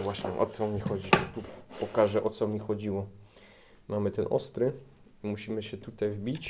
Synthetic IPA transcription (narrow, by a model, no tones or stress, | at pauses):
vwaɕɲɛʔɔ̰t̪ɔmʲixɔd͡ʑit̪upɔkaʐɛʔɔt̪sɔmʲixɔd͡ʑiwɔ | mamɘt̪ɛnʔɔst̪ɾɘ | imuɕimɘɕɛt̪ut̪ajvbʲit͡ɕ